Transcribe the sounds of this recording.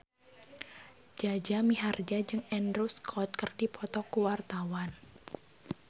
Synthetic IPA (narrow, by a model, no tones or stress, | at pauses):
d͡ʒad͡ʒamiɦard͡ʒad͡ʒɨŋɛndɾuskʰɔt̪̚kərd̥ipʰɔt̪ɔkuwart̪awan